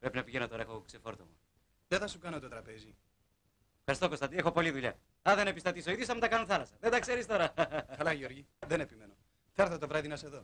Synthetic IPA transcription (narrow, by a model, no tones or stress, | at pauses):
pɾe̞pinɐpiʝenot̪o̞ɾɐexoksefo̞ɾt̪omu | t̪eθɐsukɐnot̪ot̪ɾɐpe̞zi | efxɐɾist̪o̞ko̞st̪ɐd̪iexo̞po̞liðuʎɐ̰ | ɐðe̞nepist̪ɐt̪isoiðjosɐmt̪ɐkɐnoθɐlɐsɐðend̪ɐkse̞ɾist̪o̞ɾɐkɐlɐʝeoɾʝiðenepimeno | θɐɾθɐt̪ovɾɐðinɐseðo̞